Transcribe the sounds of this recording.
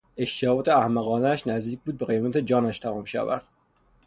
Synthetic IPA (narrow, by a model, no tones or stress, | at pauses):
eʃt̪eɒt̪ʰeæhmæɣɒːnææʃnæzd̪iːc̚ʲbuːd̪̚beɣejmæt̪ʰed͡ʒɒːnæʃt̪ʰæmɒːmʃæ̰væ̰ɾd̪̥